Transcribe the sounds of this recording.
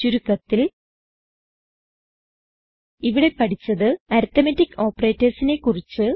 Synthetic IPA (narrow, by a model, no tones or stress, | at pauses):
t͡ɕuɾukːɐt̪ːil | iʋiɽe̞pɐʈit͡ɕːɐðɨɐɾt̪ɐmetːikːo̞ːpːɐreːtːɐrsine̞kːurit͡ɕːɨ